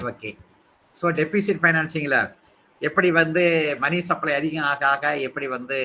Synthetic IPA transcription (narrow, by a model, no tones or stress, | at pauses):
oːkːeː | soːɖɛfisɪʈfɐɪnaːnsɪŋɡɐlɐ | ɛpːɐɽiʋɐnd̪ɯmɐnisɐpːɐlɐɐðɪɣɐ̃aːɣaːɣɐɛpːɐɽiʋɐnd̪ɯ